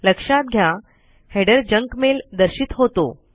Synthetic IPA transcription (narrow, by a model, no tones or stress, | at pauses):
ləkʂat̪̚ɡʱja | heɽəɾd͡ʑəŋkmeld̪əɾɕit̪ɦot̪o̰